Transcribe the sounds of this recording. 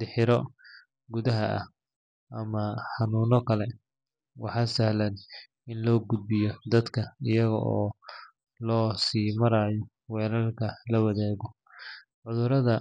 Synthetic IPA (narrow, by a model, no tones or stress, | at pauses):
d̪̥ɪħɪɾɔ | ɡʊðɐɦɐʔɐh | ʔɐmɐħɑnuːnɔkʰɐlɛ | wɑħɑːsɐhlɐn | ɪnlɔːɡʊd̪̚bɪjɔd̪ɐd̪kʰɐɪjɐɣɐ̰ʔɔː | lɔːsiːmɐɾaːjɔ | wɛːɾɐlkʰɐlɐwɐðɛːɣɔ | ʕʊðʊɾɐðɐ